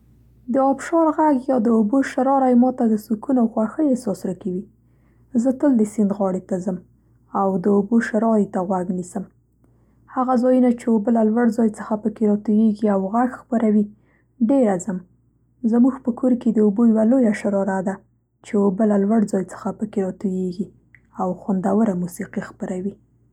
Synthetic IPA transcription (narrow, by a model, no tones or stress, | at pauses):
d̪əɑbʃɑɾɣaɡjɑd̪əoboʃaɾɑɾajmɑt̪ad̪əsukunawxwaɾxəjesɑsɾakawi | zət̪əld̪əsɪnd̪ɣɑɽet̪azəm | awd̪əoboʃaɾɑɾit̪aɣwaɡnisəm | haɣazɑjunat͡ʃeobəlalwaɽzɑjt͡səxapəkeɾɑt̪ujeɡiawɣaɡxpaɾawi | ɖeɾazəm | zəmuɡpəkʰoɾked̪əubojawalojaʃaɾɑɾad̪a | t͡ʃeobəlalwaɽd͡zɑjt͡sə̥xapəkeɾɑt̪ujeɡi | awxwand̪awəɾamusiqixpəɾawi